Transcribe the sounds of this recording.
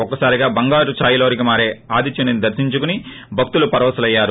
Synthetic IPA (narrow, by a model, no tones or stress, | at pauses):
ɔkːɐsaːɾiɡaːbɐŋɡaːɾut͡ʃaːjuloːɾik̬imaːɾeːaːd̪it͡ʃɐnɐnid̪ɐɾsiɲt͡ʃukuni | bʱɐk̚t̪ulupɐɾɐʋɐsɐlɐjːaːɾu